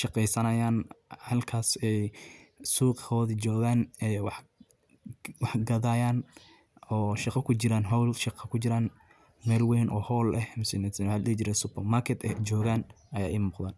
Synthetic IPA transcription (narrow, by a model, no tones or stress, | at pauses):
ʃɑqɛjsɐnɐjaːnhɐlkʰaːsɛjsuːqhɔːðid͡ʒɔːɣaːnɛːwɑħ | wɑħɡɐðaːjaːn | ɔːʃɑqɐkʰʊt͡ʃɪɾaːnɦɔwlʃɪqɐkʰʊt͡ʃɪɾaːn | mɛːlwɛːnʔɔːhɔːlɛhmʊsɛnɛsallɛd͡ʒɪɾɛsʊpɐmarkʰɛt̪ɛd͡ʒɔːɣaːnɐja̰ːʔiːmuːqðaːn